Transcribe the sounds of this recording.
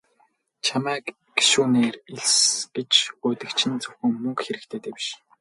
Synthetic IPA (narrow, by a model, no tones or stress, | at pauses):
t͡ɕʰamæːk | ɡ̥i̥ʃuːneːriɮsɡ̥et͡ɕʊːt̪ɘ̆kt͡ɕʰɪ̆nt͡sɵwxɘ̆ŋmɵŋkxeɾɘ̆kt̪ʰeːt̪ʰeːpi̥ʃ